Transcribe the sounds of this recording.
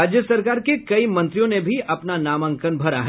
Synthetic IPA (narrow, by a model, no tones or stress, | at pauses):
aːd͡ʒjəsɐɾkaːɾkekɐimɐ̃nt̪ɾijõnebʱiɐpnanaːmə̃ŋkənbʱɐɾa̰ɦ